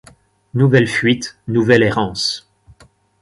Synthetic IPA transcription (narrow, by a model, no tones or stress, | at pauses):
nuvɛlfɥit̪nuvɛleʁɑ̃ːs